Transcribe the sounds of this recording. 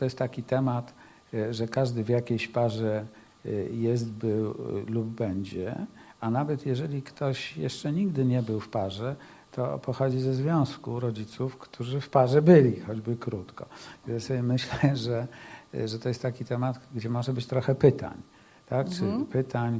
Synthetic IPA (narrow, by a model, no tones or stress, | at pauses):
t̪ɔjɛst̪ːakʲit̪ɛmat̪ | ʐɛkaʐd̪ɘvʲjakʲejɕpaʐɛ | jɛst̪bɘwlubːɛɲd͡ʑɛ̰anavɛt̪jɛʐɛlʲikt̪ɔɕjɛ̰ʂt͡ʂɛɲiɡd̪ɘɲɛbɘwfpaʐɛ | t̪ʰɔ̰pɔxɔd͡ʑizɛzvʲjɔ̃skuɾɔd͡ʑit̪sufkt̪ʰuʐɘfpaʐɛbɘlʲixɔd͡ʑbɘkɾut̪kɔ̰jasɔbʲjɛmɘɕlɛʐɛʐɛt̪ɔjɛst̪t̪ːakʲit̪ɛmat̪ɡd͡ʑɛmɔʐɛbɘt͡ɕt̪ɾɔxɛpɘt̪a̰ɲ | t̪akt͡ʂɘpɘt̪aɲ